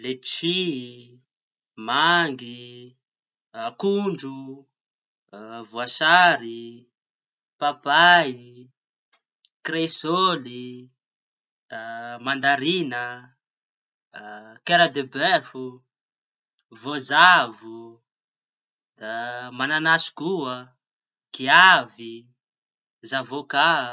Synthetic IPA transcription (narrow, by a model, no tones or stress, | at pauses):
let͡ʃi | maŋɡi | kuɳɖ͡ʐu | vuasaɾi | papai | kresoli | mand̪aɾinə | keɾad̪ebɛfu | vozavu | d̪̥amananasu̥kuə | kiavi | zavoka